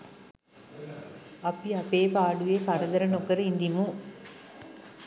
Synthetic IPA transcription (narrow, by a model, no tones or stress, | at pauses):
ɐpiɐpeːpaːɖuʋeːkɐɾɐd̪ɐɾɐnokɐɾind̪imu